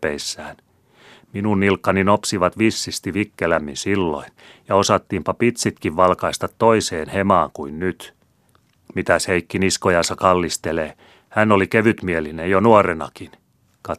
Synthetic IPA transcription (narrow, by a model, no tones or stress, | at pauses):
ḛisːæːn | minunːilkːɑninopsiʋɑt̪ʋisːist̪iʋikːelæmːinsilːo̰injɑosɑt̪ːiːmpɑpit̪sit̪kiʋʋɑlkɑist̪ɑt̪ːoiseːnhemɑːŋkuinnyt̪ | mit̪æsheikːiniskojɑnsɑkɑlːist̪eleː | hænːolikeʋyt̪mielinejonuoɾenɑ̰kin | kɑ